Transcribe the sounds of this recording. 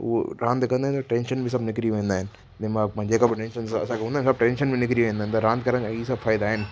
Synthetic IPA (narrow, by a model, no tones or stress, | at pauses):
ʊ̰ɦo̰ɾãːnd̪kɐ̃nd̪aːñt̪ɐʈɛ̃ːnʃənbʱɪs̬ɐbnɪkɾiʋẽːnd̪aːɦɪnɪ | d͡ʑɪ̃mãm̃ːd͡ʑeːkabɪʈẽnʃənaɐ̰sãkʰeɦũnd̪aːɪnɪsɐb̚ʈɛ̃ːnʃənbɪnɪkɾiʋẽːnd̪aːɦɪnt̪ɐɾãːnd̪̚kɐɾə̃isɐbfaːɪd̪aaːɦɪnɪ̆